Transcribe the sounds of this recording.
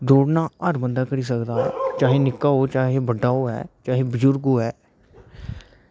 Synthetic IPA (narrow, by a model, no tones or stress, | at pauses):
d̪oːɽnaːəɾmənd̪aːkəɽiːsəkd̪aːt͡ʃaːɦẽːnɪkːaːoːt͡ʃaːɦẽːbəɖːaːoːɦɛ̰ːt͡ʃaːɦẽːbəd͡ʒʊɾɡoːɦɛː